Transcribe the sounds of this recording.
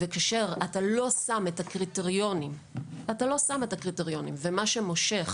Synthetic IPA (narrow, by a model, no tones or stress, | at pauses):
vekaʃeʁatalo̞sametakʁiteʁjo̞nim | atalo̞sametakʁiteʁjo̞nimvemaʃemo̞ʃe̞χ